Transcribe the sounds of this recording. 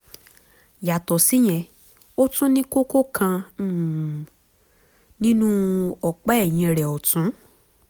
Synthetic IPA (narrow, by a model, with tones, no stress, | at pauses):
ja˨tɔ˨si˨˦j̃ɛ̃˧˨ | o˦tũ˦nĩ˦ko˦ko˦kʰã˧˦˨ | nĩ˦nũ˦ɔ˨k͡pɛ˦ɛ˦˨j̃ĩ˧˨ɾɛ˨ɔ˨tũ˨˦